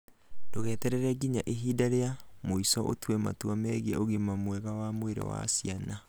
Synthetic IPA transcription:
d̥oɣɛːtɛɾɛɾɛɡiɲaʔeɦiːdaɾeamoisɔʔo̰twema̰twamɛɣeʔoɣimamwɛɣawamweɾḛwa̰siana

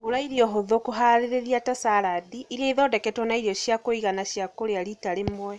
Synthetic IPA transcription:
oɾaiɾiɔɦoðokoɦaɾeɾeðiatasaɾadiiɾiaiðɔdɛkɛtwɔnaiɾiɔɕjakoiɣanaɕjakoɾeaɾitaɾemwɛ

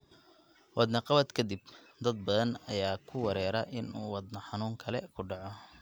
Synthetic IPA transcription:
wʔɑd̪nɐqɑβɐd̪kʰɐd̪ib | d̪ɐd̪̚bɐðɐnɐjaːkʰʊwɐɾɛːɾɐʔɪnuːwɑd̪nɐħɑnuːŋkʰɐlɛkʰʊɖɑʕɔ

